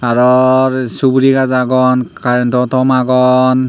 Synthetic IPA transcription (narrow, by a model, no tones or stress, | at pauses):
aɹɔɹsubuɾiɡazaɡɔnkantɔtɔmaɡɔn